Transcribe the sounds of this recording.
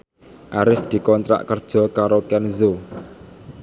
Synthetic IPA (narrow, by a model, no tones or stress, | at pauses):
ʔaɾɪfd̪̥i̤kɔnt̪ɾa̰ʔkərd̥ʒ̥ɔ̤kaɾokɛnzo